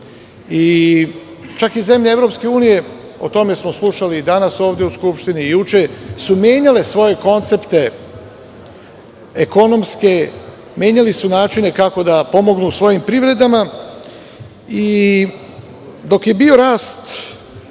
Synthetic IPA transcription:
i | t͡ʃakize̞mʎeevɾo̞pske̞uːnije̞ | o̞t̪o̞me̞smo̞slˠuʃalid̪anaso̞ːʋd̪ʲjeuskupʃt̪iniːjut͡ʃesumje̞ːɲale̞sʋo̞je̞ko̞nt̪se̞pt̪e̞ | eko̞no̞mske̞ | mʲje̞ːɲalisunaːt͡ʃine̞kako̞d̪apo̞mo̞ɡnusʋo̞jimpɾiʋɾe̞d̪ama | i | d̪o̞kje̞bio̞ɾaːst̪

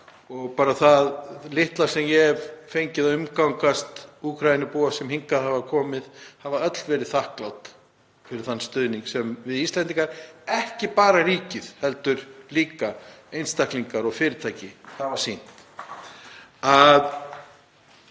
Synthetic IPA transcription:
ɔɣpaːɾaθaðlɪht̪laɾ̥sɛmjɛvfejɲcɪðaʏmkawŋkast̪ukʰɾajɪnɪpuːasɛmhiŋkaðhavakʰɔːmɪðhavaœt̪lvɛːɾɪðθahklawt̪ | fɪɾɪɾ̥θanːst̪ʏːðniŋksɛmvɪðist̪ɛnt̪iŋkaɾɛhcɪpaːɾariːcɪðhɛlt̪ʏɾ̥liːkaejnst̪ahkliŋkaɾɔɣfɪːɾɪt̪ʰaːjcɪhavasin̥t̪ | að

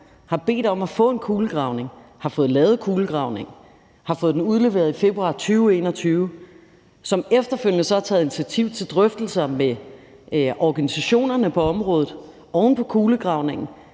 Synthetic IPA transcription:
hɑ̈b̥e̝̰ːd̥ɒ̽mæfɔ̰̽ːe̝nkʰuːləɡ̥ʁɑ̈ʊne̝ŋhɑ̈fɔ̽ːð̞̩ˠlɛːʊð̞̩ˠkʰuːləɡ̥ʁɑ̈ʊne̝ŋ | hɑ̈fɔ̽ːð̞ˠd̥enuð̞ˠle̝ʋe̝ːɐðˠife̝b̥ʁuɑ̰̈ːt͡sʰyːʊe̝̰ːnɒ̽t͡sʰyːʊ | sɒ̽mefd̥ɐføl̰jnəsɒ̽hɑ̈t͡sʰɛ̰ːð̩ˠini̥t͡sʰiæt͡sʰiʊ̰t͡sʰe̝ld̥ʁœfd̥l̩sɐme | ʔɒɡ̥ænisæɕo̝̰ːnɐnəpʰɒ̽ɒ̽mʁɔ̽ːð̞ˠð̩ˠ | ɒʊn̩pʰɒ̽kʰuːləɡ̥ʁɑ̈ʊne̝ŋn̩

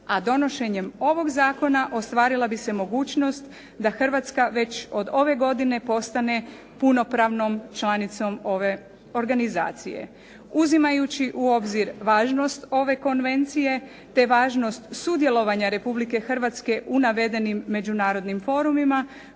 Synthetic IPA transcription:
ad̪o̞no̞ʃe̞ɲe̞mo̞ʋo̞ɡzaːko̞naʔo̞st̪ʋaːɾilˠabise̞mo̞ɡuːt͡ʃno̞st̪ | d̪axr̩ʋat̪skaʋe̞t͡ɕo̞d̪o̞ʋe̞ɡo̞d̪ine̞po̞st̪ane̞ | puno̞pɾaʋno̞mt͡ʃlˠanit̪so̞mo̞ʋe̞ | o̞ɾɡaniza̰ːt̪sije̞̰ | uzimajut͡ɕiʔuo̞bziɾʋaːʒno̞st̪o̞ʋe̞ko̞nʋe̞nt̪sije̞ | t̪e̞ʋaːʒno̞st̪sud̪jelˠo̞ʋaɲaɾe̞publike̞xr̩ʋat̪ske̞ʔunaʋe̞d̪e̞nimːe̞d͡ʒunaːɾo̞d̪nimfo̞ːɾumima

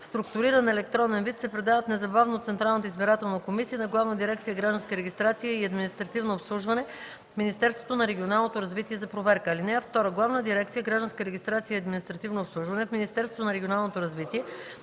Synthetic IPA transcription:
fst̪ɾʊk̚t̪ʊɾiɾənɛlɛk̚t̪ɾɔnɛnvit̪sɛpɾɛd̪avət̪nɛzɐbavnot̪sɛnt̪ɾalˠnət̪əizbiɾat̪ɛlˠnəkomisiənɐɡlˠavnəd̪iɾɛk̚t̪sijəɡɾaʒd̪ɐnskiɾɛɡʲist̪ɾat̪sijəiɐd̪minist̪ɾɐt̪ivnoːpslˠuʒvɐnɛ | minist̪ɛɾst̪vot̪onɐɾɛɡʲionalˠnot̪oɾɐzvit̪iɛzɐpɾovɛɾkəːlinɛɐft̪ɔɾəɡlˠavnəd̪iɾɛkt̪sijəɡɾaʒd̪ɐnskəɾɛɡʲist̪ɾat̪siəiɐd̪minist̪ɾɐt̪ivnoːpslˠuʒvɐnɛfminʲist̪ɛɾst̪vot̪onɐɾɛɡʲionalˠnot̪oɾɐzvit̪iɛ

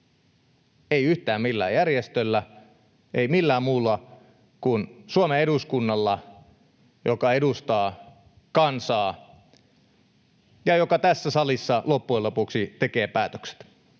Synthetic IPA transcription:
eiyht̪æːmmilːæ̰ːjærjest̪ølːæ | eimilːæːmuːlːɑ | kunsuomeeduskunːɑlːɑ | jokɑedust̪ɑː | kɑnsɑː | jɑjokɑt̪æsːæsɑlisːɑlopːuelːopuksit̪ekeːpæːt̪ø̥kse̥t̪

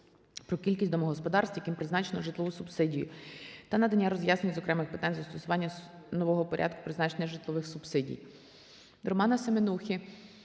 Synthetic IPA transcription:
pɾɔkʲilʲkʲisʲtʲd̪ɔmɔɦɔspɔd̪ɑrst̪ʋjɐkʲimpɾɪznɑt͡ʃenɔʒɪt̪lˠɔʋusʊpsɪdʲijʊ̰t̪ɐnɐd̪ɐnʲːaɾɔzjasnenʲizɔkɾɛmɪxpɪ̥t̪ɑnʲzɐst̪ɔsʊʋɑnʲːɐ | nɔʋɔɦɔpɔɾʲʔa̰d̪kʊ̥pɾɪznɑt͡ʃenʲɛʒɪt̪lˠɔʋɪxsʊbsɪdʲḭj̪ | ɾɔmɑnɐsemenuxʲi

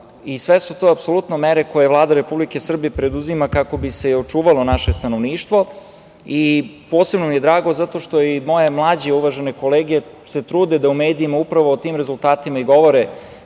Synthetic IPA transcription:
isʋesut̪oapso̞lut̪no̞meɾe̞koje̞ʋlˠaːd̪aɾe̞publike̞sr̩bijepɾe̞d̪uzimakako̞bise̞io̞t͡ʂuːʋalo̞naʃe̞st̪anoʋniːʃt̪ʋo̞ | ipo̞ːsebnomije̞d̪ɾaːɡo̞zat̪o̞ʃt̪o̞imo̞je̞mlˠaːd͡ʑeuʋaʒeneko̞leːɡie | se̞t̪ɾuːd̪ed̪aumeːd̪iːmaupɾaʋoːt̪iːmɾezult̪aːt̪imaiɡo̞ʋoɾe

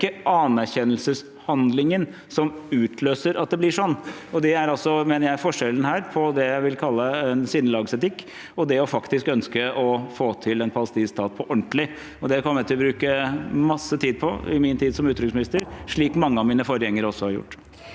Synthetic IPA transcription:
əʔɑnæɾçɛnːəlsəs | hɑnd̪lɪŋən | sɔmʉːt̪ʰløːsəɾɑt̪̚d̪ɛblɪʂɔnː | ɔd̪ɛæɾɑlsɔmeːnəɾjæɪɾfɔʂɛlːn̩hæːɾpʰɔd̪ɛjæɪʋɪlkʰɑlːəɛnsɪnːəlɑːɡsɛt̪ɪkː | ɔd̪ɛɔfɑkt̪ɪskœnskəʔɔfoːt̪ʰɪlɛnpʰɑləst̪iːst̪ʰɑːt̪̚pʰɔʔɔɳʈ̪lɪ | ɔd̪ɛkʰɔmːət̪ʰɪlɔbɾʉːkəmɑsːət̪ʰiːd̪̚pʰɔɪ̰mɪnt̪ʰiːd̪sɔmʉːt̪ɾʏksmɪnɪst̪əɾʂɭiːkmɑŋːəɑʋmiːnəfɔɾjɛŋːəɾɔsːɔhɑɾjʊ̰ʈː

